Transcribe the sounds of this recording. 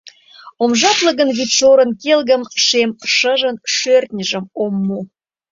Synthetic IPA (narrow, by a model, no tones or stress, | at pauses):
omʒɑt̪lˠə̆ɣənβit̪ʲʃoɾənkelɣə̆mʃemʃəʒənʃørt̪nʲəʒəmomːo